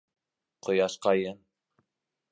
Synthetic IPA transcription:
qŏjɑʃqɑjɤn

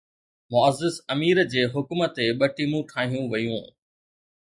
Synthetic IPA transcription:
mʊɐzːɪsɐmiːɾd͡ʑeːɦʊkmət̪eɓɐʈimũʈʰaːɦijũʋɐjũː

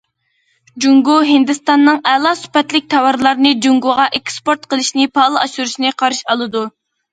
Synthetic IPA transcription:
d͡ʒuŋɡuɦɪnd̪ɨst̪ɑnːɨŋɛlˠɑsy̥pɛt̪lɪk̚ʲt̪ʰɑwɑɾlˠɑɾnɨd͡ʒuŋɡuʁɑʔɛkspoɾt̪qəlˠɨʃnɪpʰɑːlˠɨɑʃuɾuʃnɨqʰɑɾɨʃɑlˠɨd̪u

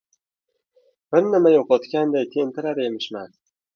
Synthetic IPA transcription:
b̥ɪɾnɪmajɒqɒt̪kʲand̪ajt̪ʰe̞nt̪ʰɪɾaɾe̞mɪʃman

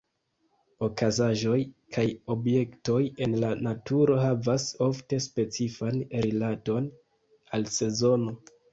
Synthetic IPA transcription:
o̞kazaʒo̞jkʰajo̞bje̞kto̞je̞nlanatuɾo̞ɦavaso̞fte̞spe̞t͡sifanɾilato̞n | alse̞zo̞no̞

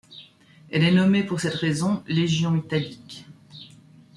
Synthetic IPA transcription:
ɛlɛnɔmepuʁsɛt̪ʁezɔ̃leʒjɔ̃it̪alik

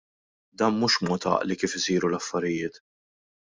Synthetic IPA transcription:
d̪ɐːnmuːʃmɔt̪ɐ̰ʔlikiːfɪsiːɾulɐfːɐɾɪjɪːt̪

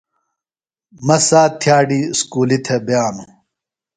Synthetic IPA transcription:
mɐsaːt̪ʰjaːɖiːskuːlit̪ʰebjaːnu

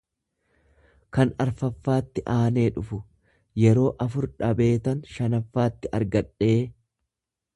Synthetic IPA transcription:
kɐnɐɾfɐfːaːt̪ːɪʔaːne̞ːᶑʊfʊ | jɛɾo̞ːʔɐfʊɾᶑɐbe̞ːt̪ɐnʃɐnɐfːaːt̪ːɪʔɐɾɡɐᶑe̞ː

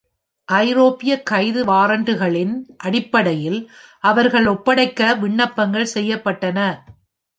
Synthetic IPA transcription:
ʔɐɪɾoːpɪjɐkːɐɪðɯʋaːɾɐɳɖɯɣɐɭɪnʔɐɽɪpːɐɽɐjɪlʔɐʋɐɾɣɐɭɔpːɐɽɐɪkːɐʋɪɳːɐpːɐŋɡɐɭsɛjːɐpːɐʈːɐnɐ

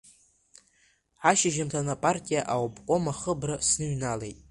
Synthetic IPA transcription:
ħaʃaʒamtʰanapʼartʼijaʔawpʰʼkʷʼo̞maχəbrɨsnɨɥnale̞jtʼ

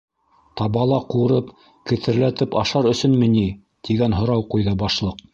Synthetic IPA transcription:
t̪ɑβɑlˠɑquɾɤp | kɘ̆θɘ̆ɾlæt̪ɘpɑʃɑɾɵ̆sɵnmɘ̆ni | t̪iɡænɦŏɾɑwqujðɤbɑʃlˠɤq̚

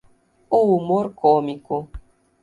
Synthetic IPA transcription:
uwumoɾkɔmiko

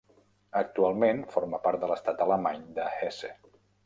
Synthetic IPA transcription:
ək̚t̪ualˠmenfɔɾməpaɾt̪̚d̪ələst̪at̪ələmaɲd̪əhɛsḛ

